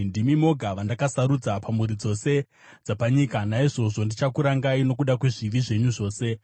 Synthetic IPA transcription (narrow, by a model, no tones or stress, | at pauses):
ndimimo̞ɡʱaʋandakasaɾud͡zapamuɾid͡zo̞se̞ | d͡zapaɲiːkanaiʐo̞ʐo̞ndit͡ʃakuɾaŋɡaino̞k̬uɗakweʐiʋiʐe̞ɲuʐo̞ːse̞